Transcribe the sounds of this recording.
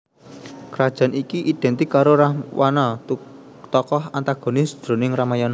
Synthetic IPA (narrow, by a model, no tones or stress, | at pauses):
kɾad̥ʒ̥a̤nikiʔid̪̥ɛ̤nt̪ikaɾoɾahwʔanɔ | t̪ɔkɔhant̪aɡ̥o̤nɪsd̪̥ɾo̤nɪŋramajɔn